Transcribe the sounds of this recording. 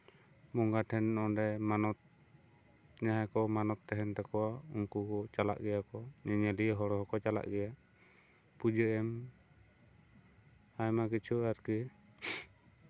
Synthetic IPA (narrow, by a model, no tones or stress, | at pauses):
mɔŋɡaʈʰɛnːɔɖɛmanɔt̪̚ | ɲaɦakɔmanɔt̪ːɛɦɛnt̪ɛkɔwauŋkukɔt͡ʃala̰ʔɡɛjakɔɲɛɲəliɦɔɾɔɦɔkɔt͡ʃala̰ʔɡɛja | pud͡ʒəɛm | ajmakit͡ʃʰuaɾki